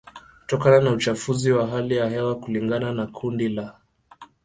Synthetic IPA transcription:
ku̥tɔkananaut͡ʃafuziwaɦalijahɛwakuliŋɡananakʰundila

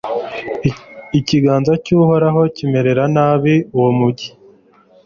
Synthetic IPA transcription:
iciɡaːnzacuːho̞ɾaɦo̞cime̞ɾe̞ɾanaːβiuwomuɟi̥

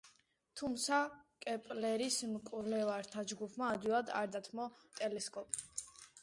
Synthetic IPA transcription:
t̪ʰumt̪sʰakʼɛpʼlɛɾismkʼulɛvaɾt̪ʰad͡ʒɡupʰmaːd̪wilˠad̪a̰ɾd̪at̪ʰmɔt̪ʼɛlɛskʼɔpʼ

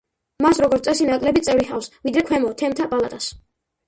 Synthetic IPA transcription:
masɾɔɡɔɾt̪sʼɛsinakʼlɛbit̪sʼɛvɾiχa̰fsvid̪ɾɛkʰwɛmɔt̪ʰɛmt̪ʰapʼalat̪ʼas

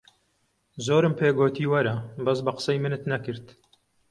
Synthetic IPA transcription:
zoːɾɨmpʰeːɡoːt̪iːwɐɾɐbɐsbɐqə̥sɐjmɨnɨt̪nɐkɨɾt̪

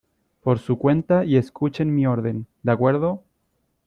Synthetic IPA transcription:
po̞ɾsukwe̞nt̪aieskut͡ʃenmioɾðe̞nd̪akwe̞ɾðo

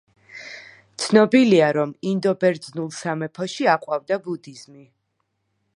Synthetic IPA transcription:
t̪sʰnɔbiliaɾɔmind̪ɔbɛɾd̪znulˠsamɛpʰɔʃiaqʼwavd̪abud̪izmi

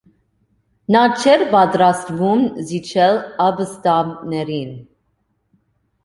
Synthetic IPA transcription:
nɑt͡ʃʰɛɾpɑt̪ɾɑst̪vumzit͡ʃʰɛlɑbəst̪ɑnɛɾin

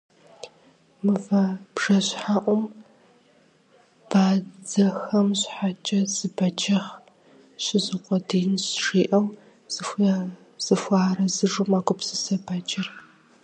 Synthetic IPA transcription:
mɨvɐb̥ʐ̥ɐɕħaːʔʷɔm | b̥aːd͡zɐxɐmɕħat͡ʃʼɐzɨbɐt͡ʃɐχ | ɕɪzɪqʷɔdiːnɕʂiːʔɐw | z̥ɨxʷ | z̥ɨxʷɑːrɐzɨʐʊmaːɡʷʊpsɨsɐbaːt͡ʃʼɐr

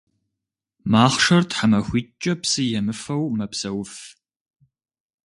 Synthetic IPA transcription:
maːχʂɐrtħamɐxʷiːt͡ʃʼɐpsɨjɛmɨfɐwmɐpsɐwʊf

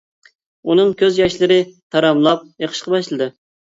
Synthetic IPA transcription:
unɨŋkʲʰøzjɑʃlˠɨɾɪt̪ʰɑɾɑmlˠɑp̚jeqʰə̥ʃqɑbɑʃlˠɨd̪ɨ

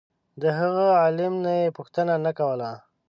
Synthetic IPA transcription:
d̪əɦəɣəɑlɪmnajepʊxt̪ənanakawəla

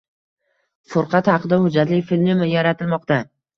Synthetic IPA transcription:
fʊɾqʰɑt̪hɑqɨd̪ahʊd͡ʒːat̪lɪfɪlʲmnɪmɪjaɾat̪ʰɪlmɒqt̪a

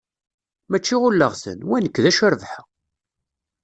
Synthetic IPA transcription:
mæt͡ʃːiʁʊlːəʁsə̰nwænəkːðæʃəɾvħə

